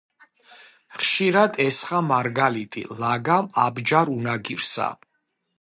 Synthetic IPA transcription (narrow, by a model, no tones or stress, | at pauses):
χʃiɾad̪ɛsχamaɾɡalit̪ʼḭlaɡamabd͡ʒaɾunaɡiɾsa̰